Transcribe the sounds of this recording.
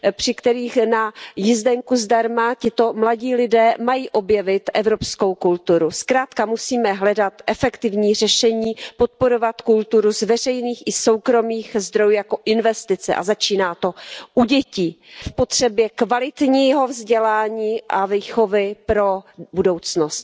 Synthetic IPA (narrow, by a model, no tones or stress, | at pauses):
pr̝̥ɪkt̪ɛɾiːxnajɪzdɛŋkuzdaɾmacɪt̪o̞mlaɟiːlɪdɛːmajiːʔo̞bjɛvɪt̪ʔɛvɾo̞psko̞wkult̪uɾuskɾaːt̪kamusiːmɛɦlɛdat̪ʔɛfɛkt̪ɪvɲiːr̝ɛʃɛɲiːpot̪̚po̞ɾo̞vat̪kult̪uɾuzvɛr̝ɛjniːxɪso̞wkɾo̞miːxzd̪ɾo̞juːjako̞ʔɪnvɛst̪ɪt͡sɛ̰ʔa̰zat͡ʃiːnaːt̪o̞ʔuɟɛciːfpo̞t̪r̝̥ɛbjɛkvalɪt̪ɲiːɦo̞vzɟɛlaːɲiːʔaviːxo̞vɪpɾo̞budo̞wt͡snost̪